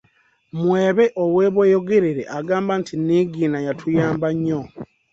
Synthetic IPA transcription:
mweːβe̞ʔoweːβwejoɡeɾeɾeʔaɡaːmbantʰiniɡiːnajatʰujaːmbaɲːo

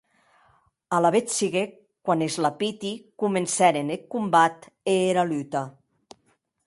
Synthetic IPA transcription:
alaβet͡siɣe | kwanezlapit̪ikumensɛɾenekːumbat̪eːɾalyt̪a

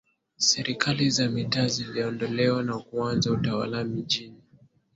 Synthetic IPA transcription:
sɛɾikʰalizamitaːziliɔndɔlɛwanakuanzautawa̰lamiʄini

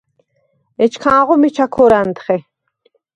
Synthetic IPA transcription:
ɛt͡ʃʰkʰãːʁɔmit͡ʃʰakʰɔɾant̪χɛ

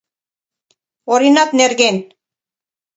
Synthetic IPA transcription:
oɾinɑt̪neɾɣen

